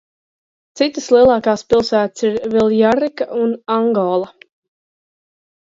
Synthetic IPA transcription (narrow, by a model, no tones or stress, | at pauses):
t̪sit̪əslˠiɛlˠɑːkaːspilˠsæːt̪siɾvilˠjaɾikaʔunaŋɡɔːlˠa